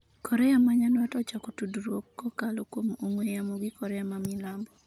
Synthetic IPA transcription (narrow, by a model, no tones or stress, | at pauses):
kɔɾɛamaɲanwatɔt͡ʃakutudɾwokːɔkalokwomoŋwejamoɡikɔɾɛamamilambɔ